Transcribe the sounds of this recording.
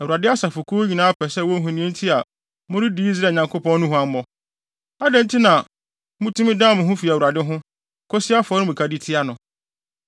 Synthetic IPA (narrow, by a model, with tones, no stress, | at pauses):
æ˨wu˨ɾa˨dɪ˦a˦sa˨fʊ˨kʰu˦ɲĩ˨nãː˨˦a˦pʰɛ˨sɛ˦˨wɔ˦ɦʊ̃˨nĩ˦ẽ˦n̩˦tʰi˦a˨ | mʊ̃˦ɾɪ˦di˨˦i˦s̬ɾaː˦˨ɲã˨ŋkʰo˦pʰɔ̃˦n˦ʊ̃˦ɦʊ̃˦a˦m˦mɔ˨ | a˦dɛ̃˦n̩˦tʰɪ˦nã˨ | mʊ̃˦tʊ˦mɪ̃˦dã˦m̃˨ɦʊ̃˦fi˨æ˨u˨ɾa˨dɪ˦ɦʊ̃˦ | kʰɔ˦sɪ˦a˦fɔ˦nɪ̃˦mũ˨kʰa˨di˦tʰɪ˦a˦nʊ̃˨